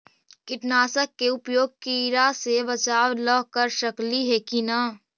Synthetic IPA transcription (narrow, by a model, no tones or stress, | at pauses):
kɪʈnaːsəkːeʊpjoːɡ̚kiɾasebɐt͡ʃaːwlɔɦkəɾʃɐkliɦɛkina